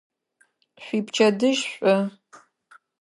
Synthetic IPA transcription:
ɕʷiːpt͡ʃʰɐdɨʒɕʷʼɔ

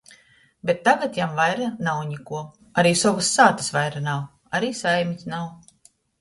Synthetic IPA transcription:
bʲet̪ːaɡat̪jamvajɾanawɲikuɔ | aɾiːsɔvɨsːaːt̪ɨ̥svajɾanaw | aɾiːsajmʲitʲnaw

